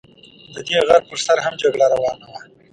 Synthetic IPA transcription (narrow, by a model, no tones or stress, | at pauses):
d̪əd̪eɣaɾpəɾsaɾɦamd͡ʒaɡɽaɾawɑːnawa